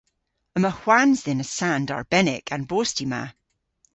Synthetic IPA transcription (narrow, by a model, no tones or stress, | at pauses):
əməhw̥anzðɪnəsãndə̰ɹb̥ɛnɪkʰə̃nbostima̰